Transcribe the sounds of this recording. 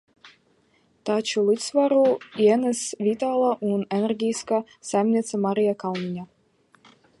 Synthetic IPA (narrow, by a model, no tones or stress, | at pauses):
t̪at͡ʃulˠit̪svaɾuiɛnɛsvʲit̪aːlˠaʔunɛnɛɾɡʲijska | sajmnʲiɛt̪samaɾijakawnʲiɲʲa